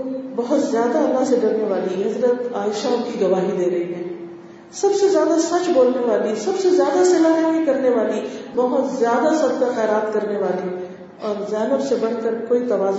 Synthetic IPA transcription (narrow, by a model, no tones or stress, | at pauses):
bɐɦʊt̪zjaːd̪aɐlːaɦseɡɐɾneʋaːliɦɐzɾət̪aːɪʃaʊnkiɡɐʋaːɦid̪eːɾɐɦiɦɛ̃ː | sɐbsezjaːd̪asɐt͡ʃboːlneʋaːlisɐbsezjaːd̪asɪlaɦɛmikɐɾneʋaːlibɐɦʊt̪zjaːd̪asɐd̪kaxɛːɾaːt̪kɐɾneʋaːli | ɔːɾzɛːnəbsebɐɽkəɾkoːit̪ɐʋaːz